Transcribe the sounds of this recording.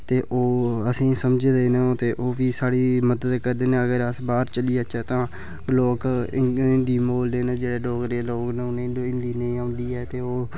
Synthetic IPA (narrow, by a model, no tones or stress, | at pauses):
t̪eːʔoːəsĩːsəmd͡ʒd̪eːnẽːt̪eːʔoːʋiːsaːɽiːməd̪əd̪kəɾd̪eːnẽːəɡəɾəsbaːɾt͡ʃəliːət͡ʃʰɛːt̪ãː | loːkɪnd̪iːmoːld̪eːnẽːd͡ʒeːɽeːloːkɾeloːknẽːnẽɪnd̪iːnəĩːãːʊnd̪iːɛːt̪eːoː